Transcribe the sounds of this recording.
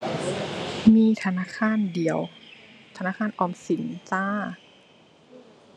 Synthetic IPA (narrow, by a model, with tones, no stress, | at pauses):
miː˧˥˨t̪ʰa˧naː˧˥˨kʰaː˧˥˨ndi˨˩˦əwt̪ʰa˧naː˧˥˨kʰaː˧˥˨nʔɔː˧˩msi˨˦nt͡saː˧˥˨